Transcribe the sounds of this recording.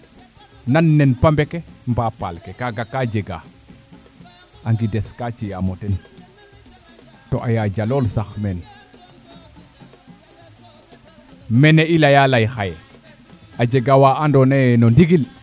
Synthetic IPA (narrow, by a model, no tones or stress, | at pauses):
nanːenpambekembapa̰lkekaɡakːad͡ʒeɡa̰ | aŋɡideskat͡ʃijamoten | toʔajad͡ʒalolsaxmen | mɛneilajalajxaje | ad͡ʒeɡawaandonenondiɡil